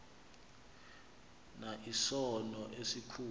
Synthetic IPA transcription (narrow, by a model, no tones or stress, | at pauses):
naʔisɔnɔʔesikʰuː